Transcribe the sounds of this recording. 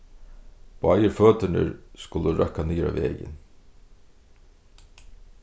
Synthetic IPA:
pajəɾfœːt̪ʏnɪ̰ɾskʊləɾʔœhkːaniːɾa̰vɛ̰ːjɪ̰n

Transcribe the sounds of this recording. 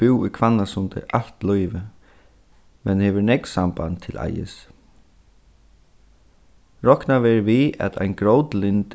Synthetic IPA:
ɪwujkʰvanːasʊnt̪ɪ̰ʔal̥t̪lɔjvɪ | mɛnheːʋɪɾnɛksamba̰nt̪ʰɪlʔa̰jɪ̰s | ɾɔhknaʋɛːɹʋiæ̰t̪ʰa̰jnɡɾowt̪lɪnt̪

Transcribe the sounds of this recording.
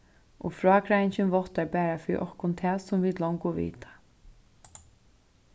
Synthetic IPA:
ʔɔ̰fɹɔːkʰɾajnt͡ʃɪnʋɔht̪aɹpɛːɾafɪːɾḭʔɔhkʊnt̪ʰɛːsʊmviːt̪lɔwŋkʊʋḭːt̪ḁ

